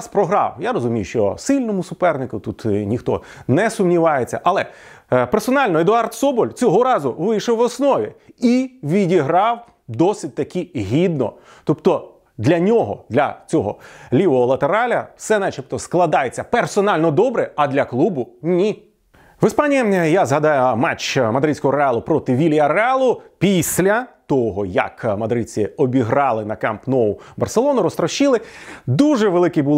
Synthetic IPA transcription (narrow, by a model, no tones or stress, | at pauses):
spɾɔɦɾɑ̰wjaɾɔzʊmʲijʊʃt͡ʃɔ̰sɪlʲnɔmʊsʊpɛrnɪkʊt̪ut̪nʲixt̪ɔ̰ | nɛsʊmnʲiʋɑjet͡sʲːɐ̰ʔɐlˠɛ | persɔnɑlʲnɔed̪ʊɑrt̪sɔbɔlʲt͡sʲɔɦɔɾɑzʊʋɪjʃɔwɔsnɔʋʲiiʋʲidʲiɦɾɑw | d̪ɔsʲɪt̚ʲt̪ɐkʰʲiɦʲid̪nɔ̰ | t̪ɔpt̪ɔ | d̪lʲɐnʲɔɦɔ̰d̪lʲɐ̰t͡sʲɔɦɔ̰lʲiʋɔɦɔlˠɐt̪eɾɑlʲɐ̰wsɛnɛt͡ʃipt̪ɔsklˠɐd̪ɑjet͡sʲːɐpersɔnɑlʲnɔd̪ɔbɾɛɐd̪lʲɐklˠubʊnʲi | ʋɪspɑnʲijijazɦɐd̪ɑjʊmat͡ʃmɐd̪ɾɪt͡sʲkɔɦɔɾeɑlˠʊpɾɔt̪ɪʋʲilʲiɐɾeɑlˠʊpʲisʲlʲɐt̪ɔɦɔjɐ̰kmɐd̪ɾɪt͡sʲɪɔbʲiɦɾɑlˠɪnɐkɛ̰mpnɔʊbɐrselˠɔnʊɾɔst̪ɾɐʃilˠɪd̪uʒɛʋelˠɪkɪbu